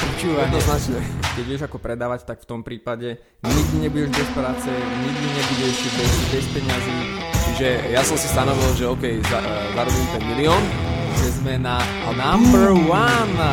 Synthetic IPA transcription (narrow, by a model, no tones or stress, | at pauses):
t͡ʃujɛd̪nɔznat͡ʃɲɛkɛɟijɛʒakɔpɾɛd̪aːʋact̪akft̪ɔmpɾiːpaɟɛ | ɲiɡd̪iɲɛbuɟɛʒbɛspɾaːt͡sɛɲiɡd̪iɲɛbuɟɛʃbɛibɛspɛɲaziːt͡ʃiʒɛjasɔmsist̪anɔʋilʒɛɔkɛjza | zaɾɔbit̪ɛmiliɔːn | t͡sɛzmɛna | anambəɾwan